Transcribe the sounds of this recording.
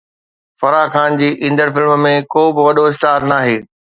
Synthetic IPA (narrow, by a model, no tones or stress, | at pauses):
fɐɾaːxaːnd͡ʑiːʔĩːnd̪əɾfɪlmmẽkoːbɪʋɐɗoɪs̬ʈaːɾnaːɦeː